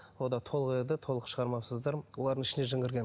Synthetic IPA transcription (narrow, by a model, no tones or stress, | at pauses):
wo̞d̪ɑt̪ʰo̞lˠəqed̪ɪt̪ʰo̞lˠəqʃəʁɑɾmɑwsəzd̪ɑɾwo̞lˠɑɾd̪ənɪʃɪneʒɪŋɡʲɪɾɡʲen